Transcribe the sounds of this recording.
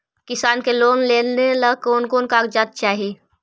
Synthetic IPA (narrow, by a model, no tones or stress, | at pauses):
kɪsaːnkeloːnleːlnelɐkoːnkoːnkaːkd͡ʒaːt̪̚t͡ʃaːɦii